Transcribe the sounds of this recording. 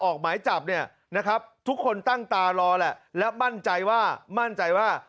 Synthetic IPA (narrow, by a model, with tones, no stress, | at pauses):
ʔɔː˨˩k̚maː˩˦jt͡ɕa˨˩p̚ni˥˩ɐ | na˦˥kʰa˦˥p̚t̪ʰu˦˥kʰːo˧nt̪a˥˩ŋt̪aː˧ɾɔː˧lɛ˨˩ʔlɛ˦˥ma˥˩nt͡ɕa˧jwaː˥˩ma˥˩nt͡ɕa˧jwaː˥˩